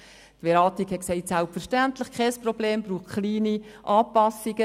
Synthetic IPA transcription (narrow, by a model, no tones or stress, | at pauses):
tbɛɾɑːt̪ikhɛtksɛɪtsælpfəɾʃtænt̪lɪχkʰɛsprɔbleːmbɾuːχχliːniʔɑːpɑsiɡ̥ə